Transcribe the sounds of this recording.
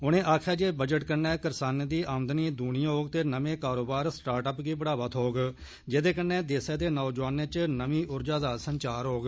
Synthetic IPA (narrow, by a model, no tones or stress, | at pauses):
ʊnẽːʔaːkʰjaːd͡ʒeːbəd͡ʒəʈkənːɛːkəɾsaːned̪iːʔaːmd̪niːd̪uːɽĩɦoːɡt̪eːnəmẽːkaːɾoːbaːɾsʈaːɾʈəpɡiːbəɽaːʋət̪ɦoːɡ | d͡ʒeːd̪eːkənːẽːd̪eːseːd̪eːnɔːd͡ʒʋaːnẽːt͡ʃnəmiːʔʊɾd͡ʒaːd̪aːsənt͡ʃaːɾɦoːɡ